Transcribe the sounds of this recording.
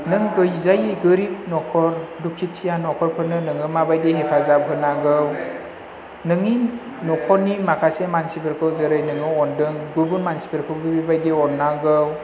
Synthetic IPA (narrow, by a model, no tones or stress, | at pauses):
nɯŋɡɯjzajiɡɯɾip̚nɔkʰɔɾdukʰitʰijanɔkʰɔɾpʰɯnɯnɯŋɯmabajdeɦepʰazab̚ɦɯnaɡɯw | nɯŋi | nɔkʰɔnimakʰasemansibeɾkʰɯwzɯɾɯjnɯŋɯɔndɯŋɡuɾbunmansi̥pʰeɾkʰɯwɡɯbibajdeɔnːaɡɯw